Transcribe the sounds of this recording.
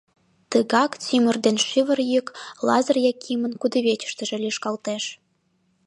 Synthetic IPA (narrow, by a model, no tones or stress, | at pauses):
t̪əɣɑkt͡simərd̪enʃyβə̆rjyklɑzərjɑkʰimənkud̪əβet͡ɕə̥ʃt̪ə̆ʒĕlʲiʃkɑlt̪eʃ